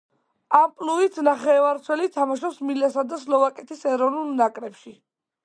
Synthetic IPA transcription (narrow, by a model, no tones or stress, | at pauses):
ampʼluit̪ʰnaχɛvaɾt̪sʰwɛlit̪ʰamaʃɔsmilɛsad̪aslɔvakʼɛt̪ʰisɛɾɔvnulˠnakʼɾɛpʃi